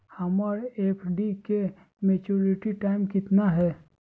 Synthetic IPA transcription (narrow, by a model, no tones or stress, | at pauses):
hɐmaɾeːpʰɖike | meːt͡ʃuːɾɪʈiʈaːɪmkɪt̪naɦɛː